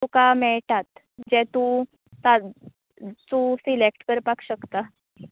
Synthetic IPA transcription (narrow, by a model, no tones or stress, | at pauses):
t̪ukamɛʈat̪ | d͡ʑɛ̃t̪ũ | t̪a | t̪usilek̚ʈkəɾpakɕəkt̪a